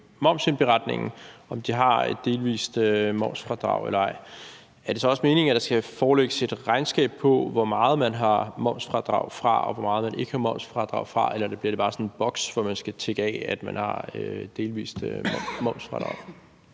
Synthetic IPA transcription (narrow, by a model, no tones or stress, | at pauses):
mɒ̽ʊmsenb̥e̝ʁɑ̈d̥ne̝ŋn̩ʔɒ̽md̥iɦɑ̈ed̥ːe̝ːlʋḭːsd̥ømɒ̽ʊsfʁɑ̈d̥ʁɑ̈ʊḛlɐɑ̈ɪ̰ | æɐd̥e̝sɒ̽ɒ̽sme̝ːne̝ŋæd̥ɑ̈sɡ̥æfɒːleɡ̥əse̝d̥ʁɑ̈ɪnsɡ̥ɛ̰ːb̥̚pʰɒ̽ʋɒmɑ̈ːð̞̩ˠmænɦɑ̈mɒʊ̰sfʁɑ̈d̥ʁɑ̈ʊ̰fʁɑ̈ɒʋɒmɑ̈ːð̞̩ˠmænʔe̝ɡ̥əhɑ̈mɒ̽ʊ̰sfʁɑ̈d̥ʁɑ̈ʊ̰fʁɑ̈elɐd̥æb̥liɐɾe̝bɑ̈ːsɒ̽nnb̥ɒ̽ɡ̥sʋɒmænsɡ̥æt͡sʰeɡ̥ɛ̰æd̥mænhɑ̈øed̥ːe̝ːlʋḭːsd̥mɒʊ̰sfʁɑ̈d̥ʁɑ̈ʊ